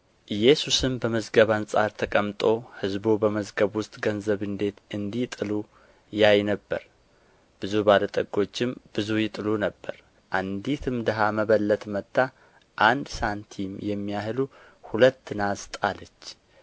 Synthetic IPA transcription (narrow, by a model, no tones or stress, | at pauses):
ʔɨjɛsusɨmbəməzɡəβansʼaɾt̪ʰəkʼəmt̪ʼo̞hɨzbubəməzɡəβwʊst̪ʼɡənzəβɨnd̪e̞t̪ɨnd̪it̪ʼɨlu | jajnəbːə̰ɾ | b̥ɨzubalət̪ʼəɡo̞t͡ʃːɪmb̥ɨzujɪt̪ʼɨlunəbːə̰ɾ | ʔand̪it̪ʰɨmd̪əɦaməβəlːət̪ʼmət̪ːa | ʔand̪sant̪ʰimjɛmːijahɨluhulət̪ːɨnast̪ʼalət͡ʃː